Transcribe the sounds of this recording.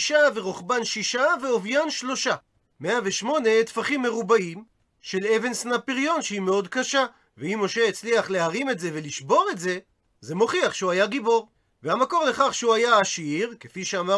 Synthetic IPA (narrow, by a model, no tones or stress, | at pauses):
ʃave̞ʁoχbanʃiʃaveovjanʃlo̞ʃa | meaveʃmo̞ne̞t̪faχimːe̞ʁubaim | ʃe̞leve̞nsnapiʁjo̞nʃehime̞o̞dkaʃa | veimo̞ʃe̞ːt͡sliaχle̞ɦaʁime̞tze̞ve̞liʃbo̞ʁe̞tze̞ | ze̞mo̞χiaχʃeuajaɡibo̞ʁ | vehamako̞ʁle̞χaχʃeuajaːʃiʁkefiʃeama